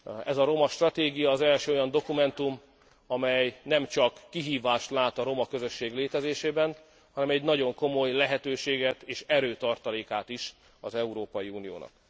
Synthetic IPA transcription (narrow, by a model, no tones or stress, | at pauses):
ɛzɒɾo̞mɒʃt̪rɒt̪eːɡijɒːzɛlʃøːojɒnd̪o̞kumɛnt̪um | ɒmɛjnɛmt͡ʃɒkːiɦiːvaːʃt̪laːt̪ɒɾo̞mɒkø̞zø̞ʃːeːɡleːt̪ɛzeːʃeːbɛn | hɒnɛmɛɟnɒɟo̞ŋko̞mo̞jlɛɦɛt̪øːʃeːɡɛt̪eːʃɛɾøːt̪ɒrt̪ɒleːkaːt̪iʃ | ɒzɛuɾoːpɒjiuːnijo̰ːnɒ̰k̚